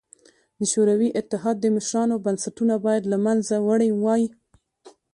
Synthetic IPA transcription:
d̪əʃoɾawiʔɪt̪ːɪɦɑd̪̚ːəmaʃɾɑnobansaʈunabɑjad̪lamanzawaɽəjwɑji

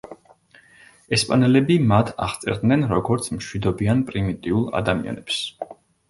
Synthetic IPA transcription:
ɛspʼanɛlɛbimat̪ʰa̰ʁt̪sʼɛ̰ɾd̪nɛnɾɔɡɔɾt̪sʰmʃwid̪ɔbianpʼɾimit̪ʼiulˠa̰d̪amḭa̰nɛps

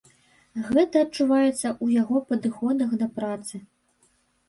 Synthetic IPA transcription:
ɣɛt̪ɐːt͡ʂuvajɛt̪sːɐʔujaɣɔpɐd̪ɨxɔd̪ɐxd̪ɐpɾat̪sɨ

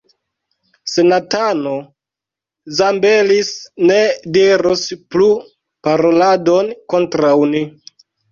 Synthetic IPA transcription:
se̞natano | zambelisne̞diɾosplu | paɾo̞ladonko̞ntɾawni

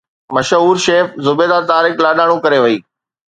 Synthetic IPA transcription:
mɐʃɦuːɾʃeːfzʊbeːd̪aːt̪aːɾɪklaːɗaːɽ̃ũkɐɾeʋɐiː

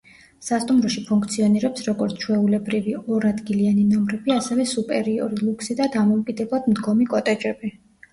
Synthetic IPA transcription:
sast̪ʼumɾɔʃipʰuŋkʰt̪sʰiɔniɾɛpsɾɔɡɔɾt̪sʰt͡ʃʰwɛulɛbɾiviɔɾad̪ɡilianinɔmɾɛbiasɛvɛsupʼɛɾiɔɾilˠukʰsid̪ad̪amɔukʼid̪ɛblˠad̪md̪ɡɔmikʼɔt̪ʼɛd͡ʒɛbi

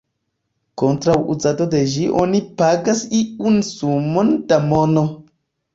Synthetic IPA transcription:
kontɾawʔṵzadode̞ʒiʔo̰nipaɡasiunsumond̥amono

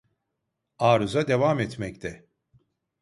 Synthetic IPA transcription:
aːɾuzad̪e̞vamɛt̪mɛct̪ʰɛ

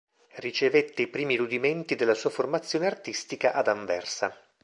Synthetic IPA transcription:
rit͡ʃevet̪ːeipɾiːmiɾud̪iment̪id̪elːasuːaformat̪sːjoːneart̪ist̪ikaʔad̪aɱvɛ̰rsa̰

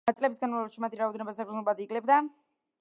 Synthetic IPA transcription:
at̪sʼlɛbisɡanmalˠɛbaʃimat̪ʰiɾaɔd̪ɛnɛbasaɡɾzunlɔbad̪iɡʼlɛb̚d̪a

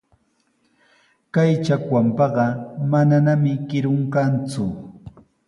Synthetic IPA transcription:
kajt͡ʃakwampɑɢɑmananamɪkɪɾʊŋkant͡sʊ

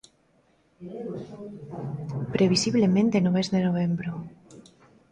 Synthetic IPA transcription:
pɾeβ̞isiβ̞lemẽnt̪enoβezðenoβ̞embɾo

